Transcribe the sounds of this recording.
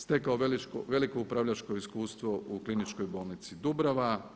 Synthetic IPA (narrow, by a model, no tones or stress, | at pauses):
st̪ekaoʋelit͡ʃko̰ʋe̞liko̞upɾaʋʎat͡ʃko̞iskuːst̪ʋo̞ʔuklinit͡ʃkojboːlˠnit̪sid̪ubɾaʋa